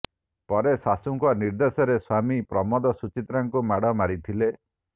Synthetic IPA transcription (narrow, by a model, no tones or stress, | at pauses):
pɔɾesasuŋkɔniɾd̪esɔɾeswamipɾɔmɔd̪ɔsut͡ʃit̪ɾaŋkumaɽɔmaɾit̪ʰile